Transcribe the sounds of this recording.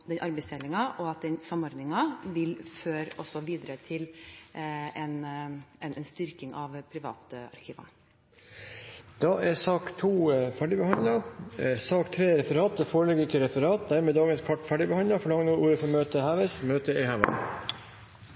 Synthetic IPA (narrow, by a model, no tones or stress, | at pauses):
d̪ɛnʔɑɾbɛɪst̪ʰɛlɪŋɑʔɔɑt̪̚d̪ɛnsɑmɔɾd̪nɪŋɑʋɪlføːɾɔsɔʋiːd̪əɾət̪ʰɪl | ɛnɛnɛnst̪ʏɾkɪŋɑʋpʰɾɪʋɑ̰ːt̪ɑ̰ɾkʰiːʋə̰n | d̪̥ɑʔɛsɑːkt̪ʰuːfæɖɪbəhɑnd̪lɑsɑːkt̪ʰɾeːɾɛfəɾɑːt̪̚d̪ɛfoːɾəlɛɡək̪əɾɛfəɾɑːt̪̚d̪æɾmeːd̪ɑːɡənskʰɔʈːfæɖɪbəhɑnd̪ɑfɔɭɑŋnuːʔuːɾəfɔmøːt̪əhɑːʋɛsmøːt̪əɪhɑːʋɛ̰